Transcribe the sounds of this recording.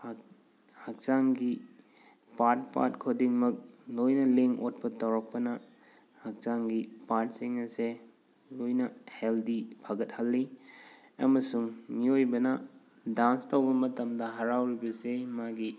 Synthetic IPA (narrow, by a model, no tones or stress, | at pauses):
h | hɐk̚t͡ʃaŋɡi | paɾt̚pa̰t̚kʰodiŋmɐk̚lojnɐleŋot̚pɐtɐwɾɐk̚pɐnɐ | hɐk̚saŋɡipaɾt̚siŋnɐse | lojnɐheldipʰaɡɐt̚hɐlːi | ɐmɐsuŋmiojbɐnɐ | danstɐwbɐmɐtɐmdɐɦɐɾawɾibɐsemaɡi